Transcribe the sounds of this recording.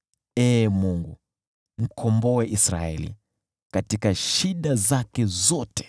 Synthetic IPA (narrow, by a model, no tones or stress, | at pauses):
emuŋɡu | m̩kʰomboweʔisra̰ḛlḭ | katikaʃiɗazakezɔte̥